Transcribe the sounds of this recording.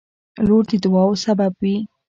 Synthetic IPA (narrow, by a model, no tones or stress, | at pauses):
loɾd̪əd̪ʊwɑwsababwi